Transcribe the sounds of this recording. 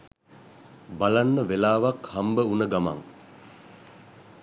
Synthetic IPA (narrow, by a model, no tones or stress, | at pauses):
balanːəʋelaːʋakhambəunəɡama̰ŋ